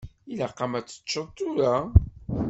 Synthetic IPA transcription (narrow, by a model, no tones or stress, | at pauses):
ilaqːamæt͡sːə̥t͡ʃːəðˤt̪ʊɾa